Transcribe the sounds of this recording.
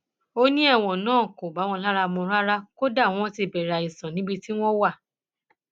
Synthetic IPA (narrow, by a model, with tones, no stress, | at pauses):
o˦nĩ˦ɛ˦˨w̃ɔ̃˨nãː˦˨ko˨ɡ͡ba˨˦wɔ̃˧la˦ɾa˧mõ˧ɾa˦ɾa˦ko˦da˦˨w̃ɔ̃˦ti˧˨bɛ˨ɾa˨i˨sã˨nĩ˨˦ɡ͡bi˧ti˦w̃ɔ̃˦wa˦˨